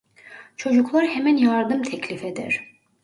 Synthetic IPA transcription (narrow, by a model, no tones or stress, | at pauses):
t͡ʃʰo̞d͡ʒuklˠaɾhemænjaɾd̪ɯmt̪ʰɛcʰlʲifed̪ɛ̰ɾ̥